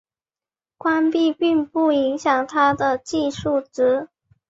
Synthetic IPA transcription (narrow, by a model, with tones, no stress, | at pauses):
kwa˥npi˥˧pi˥˧ŋpu˥˩i˧˥ŋɕjɑ˨˩ŋt̪ʰa˥d̪ə˨t͡ɕi˥˧ʂu˥˩ʈ͡ʂɻ̩˧˥